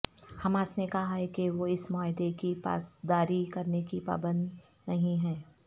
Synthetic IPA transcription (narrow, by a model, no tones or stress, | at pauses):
hɐmaːsnekɐɦaɦɛkeʋoɪsmaːɦɪd̪ekipa̰ːsd̪aːɾikɐɾnekipa̰ːbə̃nd̪ | nɐɦĩɦɛː